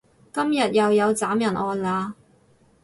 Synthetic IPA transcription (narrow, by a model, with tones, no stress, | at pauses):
kɐ˥mjɐ˨t̚jɐ˨wjɐ˨˧wt͡saː˨˥mjɐ˨˩nʔɔː˧nlaː˨˧